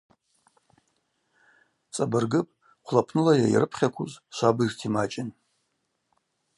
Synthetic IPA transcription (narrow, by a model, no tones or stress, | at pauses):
t͡sʼabɨrɡɨpʼ | qʷʰlapʰnɨlajajḭrɨpʰχʲakʷʰuzʃʷabirtʰimat͡ʃʼɪn